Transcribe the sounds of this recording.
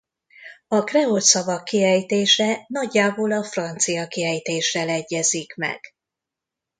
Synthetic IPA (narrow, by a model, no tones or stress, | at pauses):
ɒkrɛolt̪sɒvɒkːiɛjt̪eːʃɛnɒɟːaːboːlɒfrɒnt̪sijɒkiɛjt̪eːʃrɛlɛɟːɛzikmɛ̰ɡ̥